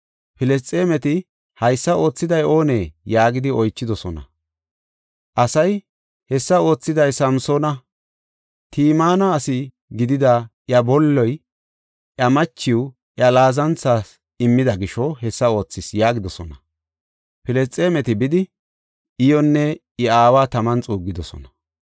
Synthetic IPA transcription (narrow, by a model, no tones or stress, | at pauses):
pɪlɛs̬t͡sʼe̞ːmɛt̪ɪ | hɐjsːɐo̞ːt͡sːɪd̪ɐjo̞ːneːjaːɡɪd̪ɪɔjt͡ʃːɪd̪ɔsɔnɐ̰ | ʔɐsɐj | hɛsːɐo̞ːt͡sːɪd̪ɐjsɐmso̞ːnɐ | t̪ʰiːmaːnɐːsɪ | ɡɪd̪ɪd̪ɐʔjɐbɔlːɔj | ʔjɐmɐt͡ʃːɪw | ʔjɐlaːzɐnt͡sːaːs | ɪmːɪd̪ɐɡɪʃɔhɛsːɐo̞ːt͡sːɪsjaːɡɪd̪ɔsɔnɐ | pɪlɛst͡sʼeːmɛt̪ɪbɪd̪ɪ | ɪjɔnːɛ | ɪaːwaːt̪ɐmɐnt͡sʼuːɡːɪd̪ɔsɔ̰nɐ̥